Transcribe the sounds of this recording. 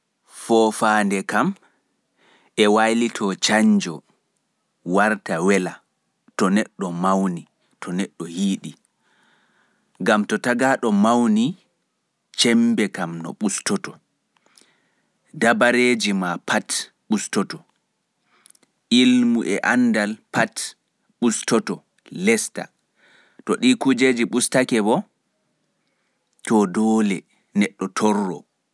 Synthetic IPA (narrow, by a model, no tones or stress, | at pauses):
fɔːfaːndɛkam | ɛwajlitʰɔt͡ʃaɲd͡ʒɔ | waɾtawɛla | tɔnɛɗːɔmawni | tʰɔnɛɗːɔhiːɗi | ŋɡamtɔtaɡaːɗɔmawni | t͡ʃɛmbɛkamnɔ̰ɓustɔtɔ | dabaɾeːd͡ʒimapʰat | ɓustɔtɔ | ʔilmuʔɛʔandalpat | ɓustɔtɔ | lɛsta̰ | tɔɗikud͡ʒeːd͡ʒiɓustakɛbɔ | tɔdɔːlɛ | nɛɗːɔtʰɔrːɔ̰